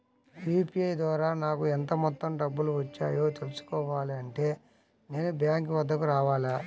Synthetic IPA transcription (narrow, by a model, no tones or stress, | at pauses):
iːpiɐjd̪ʋaːɾaːnaːkuɛnt̪ɐmɔt̪ːɐmɖɐbːuluʋɐt͡ʃːaːjo̞ːt̪e̞lusu̥kɔːʋaːliɐɳʈe̞ː | ne̞ːnubjaːŋkʋɐd̪ʱːɐkuɾaːʋaːlaː